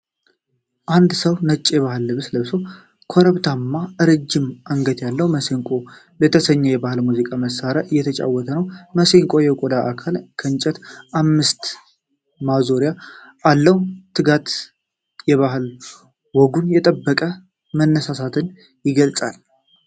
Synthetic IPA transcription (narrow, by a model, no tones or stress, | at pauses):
ʔand̪səwnət͡ʃʼːjɛβaɦɨlːɨβɨsləβsow | kʰoɾəβt̪ʰamːaʔɨɾɨd͡ʒːɪmʔaŋɡəd̪jalːəwməseŋkʼo̞ | bət̪ʰəsəɲːɛjɛbahɨlmuzikʼaməsːaɾaɨjːɛt̪ʰət͡ʃʼa̰wːɔt̪ʰənəwməseŋkʼo̞jɛkʼod̪aʔakʰalkʰənt͡ʃʼɛt̪ʔamːɨst̪ | mazo̞ɾijaʔalːəwt̪ʰːɨɡat̪ | jɛβaɦɨl | wɔɡunjɛt̪ʼəbːəkʼə | mənːəsasat̪ʰɨn | jɪɡəlt͡sʼal